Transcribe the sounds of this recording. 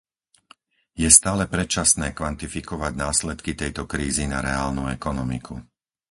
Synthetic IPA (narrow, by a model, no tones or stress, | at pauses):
jɛst̪aːlɛpɾɛt͡ʃasnɛːkʋant̪ifikɔʋaɟnaːslɛt̪kit̪ɛjt̪ɔkɾiːzinaɾɛaːlnuɛkɔnɔmḭkʰu